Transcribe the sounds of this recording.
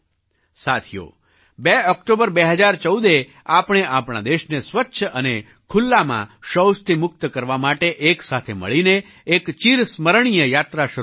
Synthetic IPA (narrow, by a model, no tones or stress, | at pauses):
sat̪ʰijo̰ | beɔkʈobəɾbeɦəd͡ʒaɾt͡ʃəud̪e | apɳ̃eʔapɽ̃a̰d̪eʃnesʋətːʃʰəəne | kʰulːamã̰ʃəwst̪ʰimʊk̚t̪kəɾʋamaʈeʔeksat̪ʰemə̰ɭineː | kt͡ʃiɾsməɾɳ̃ijəjat̪ɾaʃə